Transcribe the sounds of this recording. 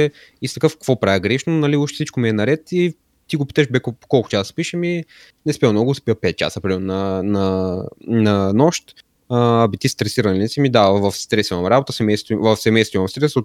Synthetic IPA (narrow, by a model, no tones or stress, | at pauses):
ɛist̪ɐkɤfkə̥kvopɾavɛɡɾɛʃnonɐliuʃt̪ɛ̥sit͡ʃkʊmɛːnɐɾɛt̪i | t̪iɡʊpi̥t̪ɛʃbɛkokɔlˠkʊ̥t͡ʃʲasspiʃəmi | nɛspiənɔɡʊspiəpɛt̪̚t͡ʃa̰səpɾimɛɾnnɐnɐ | nɐnɔʃt̪ | əbit̪ist̪ɾɛsiɾɐnilʲinɛsimid̪avɐfst̪ɾɛsimɐmɾabot̪əsɛmɛjst̪vivɐfsɛmɛjst̪vʊimɐmst̪ɾɛso